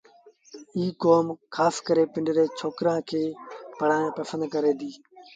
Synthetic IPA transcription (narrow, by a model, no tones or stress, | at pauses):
iːkoːmkʰaːskəɾeːpɪ̃ɳɖɪɾeːt͡ʃʰoːkɾãːkʰeːpɐɽ̤ãːpɐsə̃nd̪kɐɾeːd̪iː